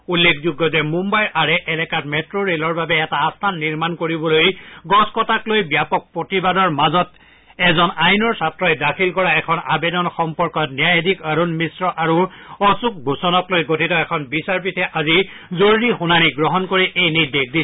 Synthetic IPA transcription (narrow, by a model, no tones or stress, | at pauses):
ulːekʰzuɡːɔtɛmumbajaɹɛʔɛlɛkatmɛtɹoɹelɔɹbabɛːtaːstʰanːiɹmankoɹibɔlojɡɔskɔtaklojbjapɔk̚pɹotibadɔɹmazɔt | ɛzɔnajnɔɹsatɹɔjdakʰilkɔɹaɛkʰɔnabedɔnxɔmpɔɹkɔtnijajdikaɹonmisɹɔʔaɹuɔsuk̚bʱusɔnɔklojɡotʰitɔɛkʰɔnbisaɹp̬itʰɛʔazi | zoɹɹixunaniɡɹɔɦɔnkoɹiʔejnidek̚di